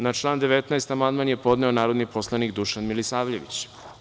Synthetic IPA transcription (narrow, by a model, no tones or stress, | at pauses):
nat͡ʃlˠaːnd̪eʋet̪naest̪amand̪manjepo̞d̪nɛonaːɾo̞d̪nipʰo̞slˠanikd̪uʃanmilisaːʋʎeʋḭt͡ɕ